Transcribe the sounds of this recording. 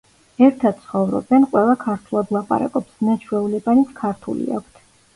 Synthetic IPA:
ɛɾt̪ʰad̪̥̚sʰχɔvɾɔ̰bɛnqʼwɛlˠakʰaɾt̪ʰulˠad̪lˠap̪pʼa̰ɾa̰kʼɔpsnat͡ʃʰwɛulɛbanit̪sʰkʰaɾt̪ʰṵlḭa̰kʷʰt̪ʰ

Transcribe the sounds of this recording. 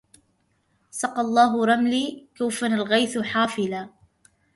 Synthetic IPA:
sɑqɑlˤːɑːɦʊɾˤɑmliːkawfanalɣajθħaːfɪlaː

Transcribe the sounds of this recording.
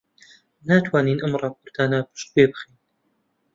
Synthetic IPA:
naːt̪ʰwaːniːnʔɨmrˤɑːpʰoːɾt̪ʰaːnaːpʰɨ̥ʃt̪̚beːbɨχin

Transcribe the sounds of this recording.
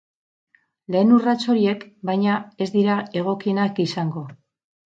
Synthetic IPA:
le̞ːnurat͡so̞ɾie̞kbajɲae̞zd̪iɾae̞ɣ̞o̞kie̞nakisaŋɡo̞

